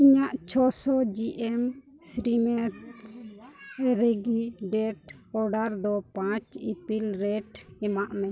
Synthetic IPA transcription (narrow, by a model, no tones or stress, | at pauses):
iɲaʔt͡ʃʰɔsɔd͡ʒiʔɛm | sɾimɛts | ɾɛɡiɖɛʈ | ɔɾɖaɾd̪ɔpãt͡ʃipilɾɛʈɛmaʔmɛ̃